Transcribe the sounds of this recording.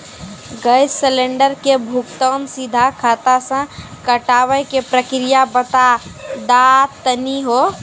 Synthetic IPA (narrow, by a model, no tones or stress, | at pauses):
ɡəjssəleɳɖəɾkebʱukt̪ənsid̪ʱakʰat̪asə̃ | kəʈawəjkepɾəkɾijabət̪ad̪at̪əniɦo